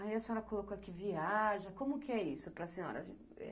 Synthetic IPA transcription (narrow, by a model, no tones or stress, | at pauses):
aiɐsẽɔɾɐkolokoakiviaʒɐ̃kõmʊkɪɛisʊpɾɐsĩɲɔ̰ɾɐ̰ | ɛ̰